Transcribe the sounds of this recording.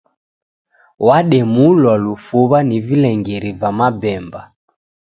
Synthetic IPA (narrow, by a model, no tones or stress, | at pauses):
waɗɛmulwalufuβanivilɛŋɡɛɾivamabɛmba